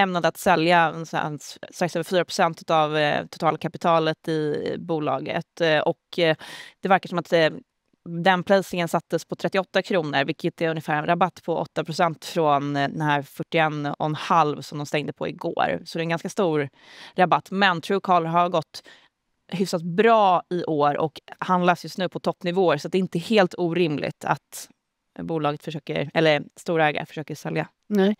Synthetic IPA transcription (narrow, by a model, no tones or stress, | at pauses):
ɛmnad̪əat̪sɛljasa̰sst̪ɾaksøːvəɾfyːɾapɾ̥ʊ̥sɛnt̪ʉ̟t̪avt̪ʰʊ̥t̪ʰɑːlkʰapɪt̪ʰɑːlət̪ɪbuːlɑ̰ːɡə̰t̪ɔk | d̪̥ɛvæɾkaʂɔmat̪ | d̪ɛnpʰlɛːsɪŋənsat̪ːəspʰɔt̪ʰɾɛt̪ːɪɔt̪ːakʰɾuːnəɾvɪlkʰːət̪ɛɵnjɪfæːɾɛnɾabat̪ːpʰɔʔɔ̰t̪ːapʰɾʊsɛnt̪fɾɔnd̪ɛnhæːɾfœʈːɪɛnɔ̰nhalvsɔmd̪ɔmst̪ɛŋd̪əpʰɔ̰ɪ̰ɡo̰ːɾsɔd̪ɛnɡanskast̪uːɾ | ɾabat̪ːmɛnt̪ʰɾʉːkʰɑːlɦaɾɡɔt̪ː | hʏfsat̪̚bɾɑːɪʔoːɾɔ̰khand̪lasjɵst̪nʉ̟ːpʰɔt̪ʰɔpːnɪvoːəɾsɔat̪̚d̪ɛɪnt̪əheːlt̪uːɾɪmlɪ̰t̪ʰa̰t̪ | buːlɑːɡət̪fœʂøːkəɾɛlːəst̪uːɾaɛːɡa̰fœ̥ʂøːkəsɛlja̰